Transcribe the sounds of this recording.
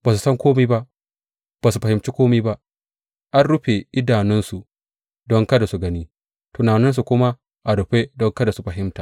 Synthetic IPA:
b̥aː˨s̬u˨sɐ˦ŋkʷoː˦miː˦ba˦ʔ | b̥a˨s̬u˨ɸɐ˨hɪ˨mt͡ʃi˦kʷoː˦miː˦ba˦ʔ | ʔa˦nɽʊ˦ɸe˨ʔɪ˦daː˨nɪ˦nsu˨ | dɔ˦ŋkɐ˦da˨su˨ɡɐ˦niː˦ | to˨naː˨nɪ˦ns̬u˨kʷʊ˦ma˦ | ʔa˨dʊ˨ɸe˦dɔ˦ŋkɐ˦da˨su˨ɸɐ˨ɦɪ˦mta˨

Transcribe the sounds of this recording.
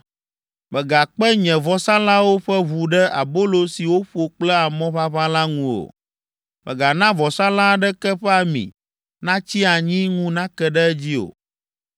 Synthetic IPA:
bɛ˨ɡa˨k͡pɛ˦ɲɛ̃˨vɔ˨sã˦la˦wo˦ɸɛ˦βu˨ɖɛ˦ʔa˨bo˦lo˨si˨wo˦ɸo˨k͡plɛ˦a˨mɔ̃˦βa˦βa˦la˦ŋũ˨o̰˨ | mɛ̰˨ɡa˨nã˦vɔ˨sa˦lã˦ɖɛ˦kɛ˦ɸɛ˦a˨mḭ̃˨ | nã˦t͡ɕi˦a˨ɲĩ˦ŋũ˦nã˦kɛ˨ɖɛ˦ɛ˦d͡ʑi˦o̰˨

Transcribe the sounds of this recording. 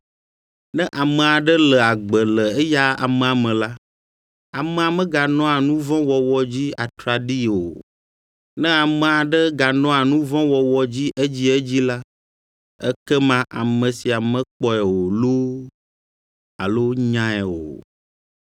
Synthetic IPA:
nɛ̃˦ʔa˨mə˨a˨ɖə˦lə˨a˨ɡ͡bə˨lə˨ɛ˦ja˦a̰˨mɛ̃˨a˨mɛ̃˨la˦ | a˨mɛ̃˨a˨mɛ̃˦ɡa˨nɔ̃˦a˨nũ˦vɔ̃˦wɔ˨wɔ˦d͡ʑi˦a˨t̪ɾa˨ɖi˦o˨ | nɛ̃˦a˨mə̃˨a˨ɖə˦ɡa˨nɔ̃˦a˨nũ˦vɔ̃˦wɔ˨wɔ˨d͡ʑi˦ʔɛ˦d͡ʑi˦ɛ˦d͡ʑi˦la˦ | ɛ̰˦kɛ˦mã˦ʔa˨mə̃˨si˨a˨mɛ̃˦k͡pɔ˦ɛ˨wo˨lo˦ | a̰˨lo˦ɲã˦ɛ˨wo̰˨

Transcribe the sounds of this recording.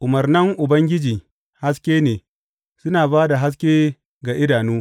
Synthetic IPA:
ʔʊ˨mɐ˨rnɐ˦ŋʔʊ˨bɐ˦ŋɡʲɪ˦d͡ʒiː˨ | ha˦skʲeː˦neː˨ | sʊ˦naː˨baː˦da˨ɦa˦s̬kʲeː˦ | ɡaː˨ʔɪ˦daː˨nuː˦

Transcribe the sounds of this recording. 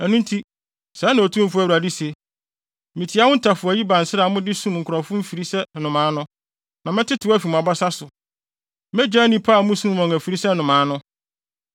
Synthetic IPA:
æ˨nũ˦n˦tʰi˦ | sɛ˨˦nã˨o˨tʰũ˦m˦fʊ˦æ˨wa˨di˦se˨ | mĩ˨tʰi˨˦a˦wʊ̃˦n̩˦tʰa˨fʊ˨æ˨ji˦bã˨n̩˨sɪ˦ɾa˨mʊ̃˦dɪ˦sũ˦˨ŋ̩˨kʰʊ˨ɾɔ̃˨fʊ̃˦m̩˦fi˨ɾi˦sɛ˦nʊ̃˨mã˨˦nʊ̃˦ | nã˨mɪ̃˦tʰɪ˦tʰʊ˨˦æ˦fi˨m̃˨a˨ba˦sa˦sʊ˨ | mɛ̃˦d͡ʑa˦nĩ˦pʰa˦˨˦mũ˦sũ˦wɔ̃˨ŋæ˨fi˨ɾi˦sɛ˦nʊ̃˨mã˨˦nʊ̃˦

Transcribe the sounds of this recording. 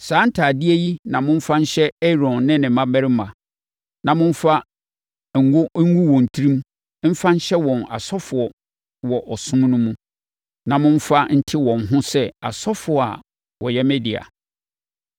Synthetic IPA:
saː˨˦n̩˦tʰaː˨dɪ˦æ˦ji˦nã˨mʊ̃˦ɱ̩˦fa˦n̩˦ɕɛ˦ɛ˦ɾɔ̃˨nːɪ̃˦nɪ̃˨mã˦bɛ˦ɾɪ˦mã˨ | nã˨mʊ̃˦ɱ̩˦fa˦˨ | ŋ̩˨ɡʊ˦ũ˦wɔ̃˨n̩˨tʰi˦ɾĩ˦m | m̩˦fa˦n̩˦ɕɛ˦wɔ̃˨na̰˨sɔ˦fʊ˨ɔ˨ | wɔ˨ʔɔ˨sʊ̃˦m˦nʊ̃˦mũ˦ | nã˨mʊ̃˦m̩˦fa˦n̩˦tʰɪ˦wɔ̃˨nɦʊ̃˦sɛ˦a̰˨sɔ˦fʊ˨ɔ˨a̰˨ | wɔ˨jɛ˦mɛ˦di˨a̰˨

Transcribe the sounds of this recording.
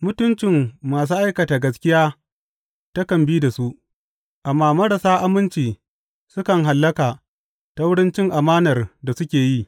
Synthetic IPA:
mʊ˦tʊ˦nt͡ʃɪ˨mːaː˨s̬uː˦ʔa˦jkɐ˨taː˨ɡɐ˦skʲɪ˦jaː˦ | ta˦kɐ˨mbiː˦da˨su˦ʔ | ʔa˨mːaː˦mɐ˦ɽa˨saː˦ʔa˦mɪ˦nt͡ʃiː˨ | sʊ˦kɐ˨ŋɦa˨lːɐ˦kaː˨ | ta˦wʊ˦ɽɪ˦nt͡ʃɪ˦ŋʔa˨maː˦nɐ˨rda˨sʊ˦kʲeː˨ji˦

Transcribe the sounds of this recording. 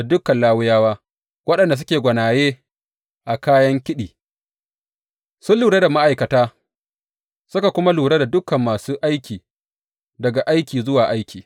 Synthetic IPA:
a˨dʊ˦kɐ˨nlaː˦wʊ˦jaː˦waː˦ | wɐ˦ɗɐ˨nda˨s̬ʊ˦kʲeː˨ɡʷɐ˨naː˨jeː˦ | ʔa˨kaː˦jɐ˦ŋkʲɪ˦ɗiː˨ | sʊ˦lːuː˨ɾe˦da˨ma˦ʔa˨jkɐ˨taː˦ | sʊ˦ka˨kʷʊ˦ma˦luː˨ɽe˦da˨dʊ˦kɐ˨mːaː˨suː˦ʔa˦jkʲiː˨ | dɐ˨ɡa˨ʔa˦jkʲiː˨zʊ˦waː˨ʔa˦jkʲʰiː˨

